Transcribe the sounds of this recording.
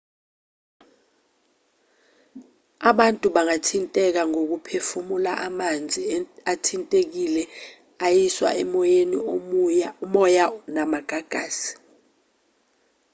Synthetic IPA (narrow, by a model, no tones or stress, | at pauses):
aɓantʼuɓaŋatʰintʼɛk̬aŋok̬upʰefumulaʔamand͡zʱiatʰintʼek̬ilɛ | ajiswa̰ɛmɔjeni | mɔjanamaɡ̥ʱaɡ̥ʱaːsi̥